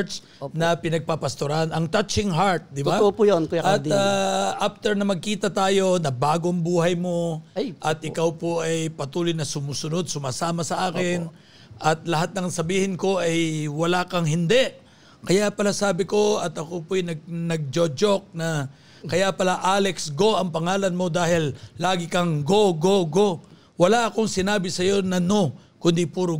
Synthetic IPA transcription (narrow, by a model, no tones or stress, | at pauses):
s | nɐpɪnɐɡ̚papɐst̪oɾanʔɐŋt̪ɐt͡ʃɪŋɦaɹt̪̚d̪ɪbapujonkɐt̪aʔaft̪ɛɹnɐmɐɡ̚kiːt̪ɐt̪aːjo̞nɐbaːɡoʔɐŋbuːhɐjmo̞ʔɐt̪̚ʔɪkawpoʔɐjpɐt̪uːlojnɐsʊmuːsʊno̞d̪̚sʊmaːsaːmɐsɐʔaːkɪn | ʔɐt̪̚lɐɦat̪̚nɐŋsɐbiːhɪnko̞ʔɐjwɐlakɐŋɦɪnd̪ɛʔ | kɐjapɐlasaːbɪko̞ɐt̪ɐkopojnɐɡ̚nɐɡ̚d͡ʒod͡ʒok̚nɐ | kɐjapɐlaʔaːlɛksɡo̞ɐŋpɐŋaːlɐnmo̞d̪aːhɪllaːɡɪkɐŋɡoɡoɡo̞ | wɐlaʔɐko̞ŋsɪnaːbɪsɐjo̞nɐno̞kʊnd̪ipuːɾo